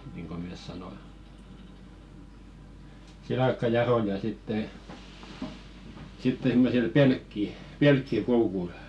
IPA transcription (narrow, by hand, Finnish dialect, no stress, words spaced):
niːŋko meˑs sɑnoi silɑkːɑjɑrojɑ sitːe sitːeŋ ɡ̊ŭ me sil pelkːi pelkːikoukul